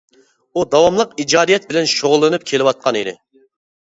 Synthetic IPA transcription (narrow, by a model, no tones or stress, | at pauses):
ud̪ɑwɑmlˠəqid͡ʒɑːd̪ijɛt̪̚bɪlɛnʃoʁʊlˠːɨnɨp̚kʲʰelɪwɑt̪̚qʰɑniɾɪ̰